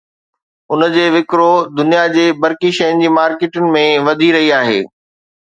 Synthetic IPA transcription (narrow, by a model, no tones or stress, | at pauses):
ʊnəd͡ʑeːʋɪkɾod̪ʊnijad͡ʑeːbɐɾkiʃɐjʊnɪ̆d͡ʑiːmaːɾkeːʈʊnɪ̆mẽʋɐd̪ʱiɾɐɦiaːɦḛː